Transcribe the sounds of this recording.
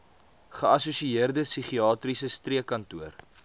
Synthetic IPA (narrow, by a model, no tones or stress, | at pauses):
χəɐsusiiərdəsiχiɑːtrisəstriəkɐntuər